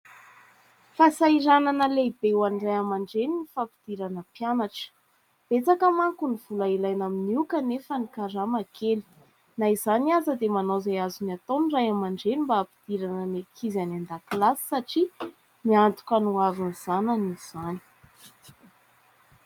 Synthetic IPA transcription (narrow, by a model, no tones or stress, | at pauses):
fasaiɾananəleibewanrajamaɳɖ͡ʐeninifapid̪̥iɾanəpjanaʈ͡ʂə̥ | b̥et͡sakəmaŋkuniv̥ulailajnaminiukənefanikaɾamakʰeli̥ | naizaniazəd̪emanozajazuniat̪onrajamaɳɖ͡ʐenimbaːpid̪̥iɾanənekʰizanand̪aklasi̥saʈ͡ʂi | niant̪u̥kʲanuaviniz̥ananiz̥ani̥